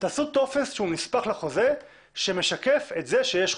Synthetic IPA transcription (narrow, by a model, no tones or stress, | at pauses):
t̪asut̪o̞fesʃeunispaχlaχo̞ze | ʃeme̞ʃake̞fet̪zeʃejeʃ